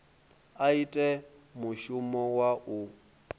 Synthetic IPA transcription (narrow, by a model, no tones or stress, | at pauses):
aitʼɛmuʃumɔwaʔu